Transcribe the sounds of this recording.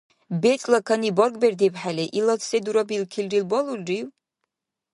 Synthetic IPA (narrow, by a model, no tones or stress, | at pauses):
betʰʼlakʰanibɔrkʼberd̪epʰħaleʔilat͡sʰsed̪uɾabilkʰilrilbɔlulɖ͡ʐiw